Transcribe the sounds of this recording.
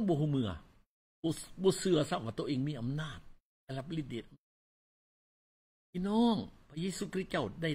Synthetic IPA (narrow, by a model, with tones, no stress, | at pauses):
bɔ˧ɦu˧˩mɯ˧˩ɐ˧ | bɔː˧˦sɯ˧ɐsa˧˩p̚waː˧˩t̪ʔeː˧˦ŋmiː˧˥˨ʔa˧˨mnaː˧˥˩t̪̚ | la˧˩la˧˥p̚li˧˩t̪̚deː˨˩ʔa˧ | pʰiː˧˨nɔː˧˥˩ŋpʰa˧jeː˧suː˧kʰɾi˦t̪̚t͡ɕa˥˩wda˧˩